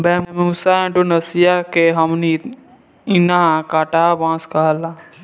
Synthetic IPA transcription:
bɛːmmuːsaẽʈonɐsijakeɦɐmni | inaɦãkaːʈabãːskala

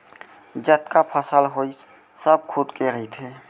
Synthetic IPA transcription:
d͡ʒət̪kapʰəsəlɦois | səb̚kʰud̪keɾəɦit̪ʰe

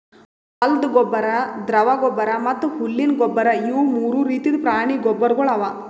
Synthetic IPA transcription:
ɐld̪ɡɔbːɐɾɐd̪ɾɐʋaɡɔbːɐɾɐmɐt̪ːuhulːinɡɔbːɐɾɐiʋmuːɾuɾiːt̪id̪pɾaːɳiɡɔbːɐɾɡɔɭɐʋa

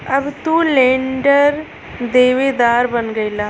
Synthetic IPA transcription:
ɐbt̪uːleɳɖɐɾ | d̪eːʋed̪aːɾbɐnːɡɐilːɐ

